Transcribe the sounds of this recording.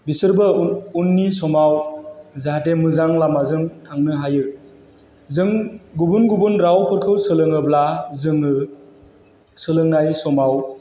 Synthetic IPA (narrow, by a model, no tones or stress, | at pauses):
bisɯɾbɯunːisɔmawzaɦatemɯzaŋlamazɯŋtʰaŋnɯɦajɯ | zɯŋɡubunɡubunɾawpʰɯɾkʰɯwsɯlɯŋɯblazɯŋɯ | sɯlɯŋnajsɔmaw